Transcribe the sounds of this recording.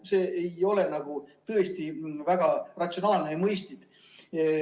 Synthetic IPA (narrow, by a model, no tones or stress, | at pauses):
seːejo̞le̞nɑɡ̥ut̪ɤest̪ivæɡ̥ɑrɑt̪so̞nɑːlnejɑmɤjst̪id̪̥